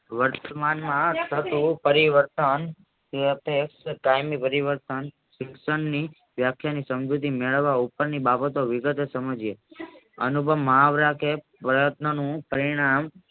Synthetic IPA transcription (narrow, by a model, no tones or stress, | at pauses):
ʋəɾt̪əmanmãt̪ʰət̪ũpəɾiʋəɾt̪ən | ət̪ekskajmipəɾiʋəɾt̪ən | ʃɪksəɳni | ʋjakʰːjanisəmd͡ʒʱut̪imeɭəʋːaupəɾnibabət̪oʋɪɡət̪esəməd͡ʒe | ənubʱəʋməɦaʋɾakʰepɾəjət̪nənũpəɾiɽ̃am